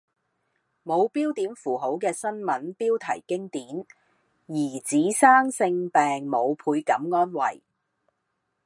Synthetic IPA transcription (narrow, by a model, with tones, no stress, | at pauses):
mo˨˧wpiː˥wt̪iː˨˥nfuː˨˩ɦo˨˥wkɛː˧sɐ˥nmɐ˨˥npiː˥wt̪ʰɐ˨˩jkɪ˥ŋt̪iː˨˥n | jiː˨˩t͡siː˨˥saː˥ŋsɪ˧ŋpɛː˨ŋmo˨˧wpʰuː˧jkɐ˨˥mŋɔː˥nwɐ̰˨˩j